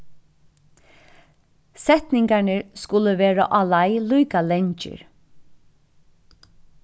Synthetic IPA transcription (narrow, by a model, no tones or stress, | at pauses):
sɛt̪nɪŋkaɳəɹskʊləʋeːɾa̰ʔɑlajluːkalɛɲt͡ʃɪ̰ɹ